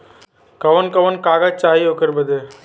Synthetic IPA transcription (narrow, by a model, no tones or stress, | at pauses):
kɐʋənkɐʋənkaːɡat͡ʃaːɦiokəɾbəd̪e